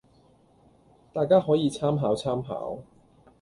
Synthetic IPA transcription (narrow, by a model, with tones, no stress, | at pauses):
t̪aː˨jkaː˥ɦɔː˨˥jiː˨˧t͡sʰaː˥mɦaː˨˥wt͡sʰaː˥mɦa̰ː˨˥w